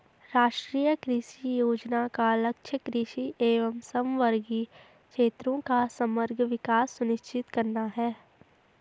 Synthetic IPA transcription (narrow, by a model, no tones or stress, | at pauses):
ɾaːʃʈɾiːjəkɾɪʃijoːd͡ʒnakalɐkʃʰjəkɾɪʃiʔeːʋəmsɐmʋəɾɡi | kʃeːt̪ɾõkasɐməɾɡʱʋɪkaːsːʊnɪʃt͡ʃɪt̪kɐɾnaɦɛː